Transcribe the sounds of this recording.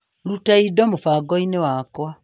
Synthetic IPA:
lutaidomufaɡɔinewakwa

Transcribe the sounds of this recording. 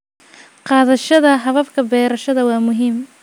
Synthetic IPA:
qɑːðɐʃɐðɐɦɐβɐfkʰɐbɛːɾɐʃɐðɐwɑːmʊɦiːm

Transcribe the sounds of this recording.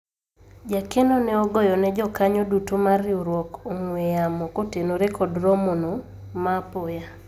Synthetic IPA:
d͡ʒakenonɛɔɡɔjɔnɛd͡ʒɔkaɲodutomarɪuɾwɔkoŋwejamɔkotenoɾekɔdɾɔmono | mapoja

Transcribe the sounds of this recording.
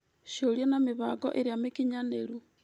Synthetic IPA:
ʃjoɾjanameβaɡo̰ʔeɾeamekiɲaneɾu

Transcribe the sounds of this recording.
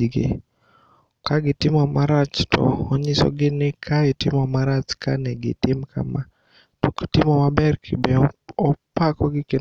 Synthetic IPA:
ɡɪ̰ | kaɡɪtɪmɔmaɾat͡ʃtʰɔ̰ɔɲɪsɔ̰ɡɪnɪkʰaɪtɪmɔmaɾat͡ʃkanɛɡɪ̰tɪmkʰa̰ma | tuktɪmɔmabɛrkʰɪbɛɔpakɔɡɪkɪ

